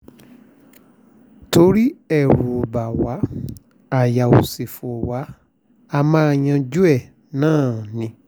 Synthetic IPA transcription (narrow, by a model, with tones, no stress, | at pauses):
to˧˦ɾi˦ɛ˦˨ɾu˨o˨ba˨wa˨˦ | a˦˨ja˨o˨se˨fo˨wa˨˦ | a˧mãː˦˧ɲã˧d͡ʒu˦ɛ˦˨ | nãː˦˨nĩ˧